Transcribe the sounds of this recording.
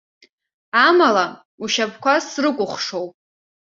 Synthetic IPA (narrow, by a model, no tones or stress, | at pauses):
amala | uʃapʰkʷʰasrɨkʷʼʊχʷʂo̞wpʼ